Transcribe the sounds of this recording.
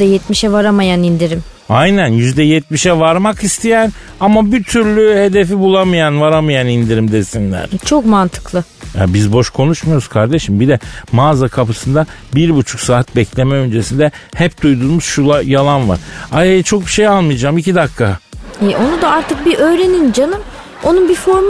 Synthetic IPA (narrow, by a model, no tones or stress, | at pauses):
d̪ɛjɛt̪miʃɛvaɾamajanind̪iɾim | ajnænjyzd̪ɛjɛt̪̚miʃɛvaɾmakist̪ʰijæn | amabit̪ʰyɾlʲyhe̞d̪e̞fibulˠamajanvaɾamajanind̪iɾimd̪esinlʲæ̰ɾ̥t͡ʃʰo̞kmant̪ʰɯ̥klˠɯ | ja̰bizbo̞ʃkʰo̞nuʃmajo̞ɾuskʰaɾd̪eʃimbid̪ɛmaːzakʰapɯsɯnd̪abiɾbut͡ʃʰu̥ksaːat̪̚bɛclʲe̞mɛø̞nd͡ʒe̞sind̪ɛhɛp̚d̪ujd̪uɾmuz̥ʃulˠajalˠanva̰ɾ̥ajajt͡ʃʰo̞k̚biʃe̞jalˠmɯjd͡ʒaːmicid̪akʰːaɛʔo̞nud̪aaɾt̪ʰɯk̚biʔø̞ːɾe̞nind͡ʒanɯm | o̞nunbifoɾm